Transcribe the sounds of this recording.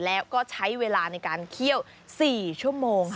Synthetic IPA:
lɛː˦˥wkɔː˥˩t͡ɕʰa˦˥jweː˧laː˧na˧jkaː˧nkʰi˥˩əw | siː˨˩t͡ɕʰu˥˩əmoː˧ŋ

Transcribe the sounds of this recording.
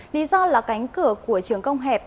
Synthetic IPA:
li˨˦zɔ˧laː˨˩ka˨˦jŋ̟kɨ˧˩əku˧˩ət͡ɕɨ˨˩əŋkə˧wŋ͡mɦɛ˨˩p̚

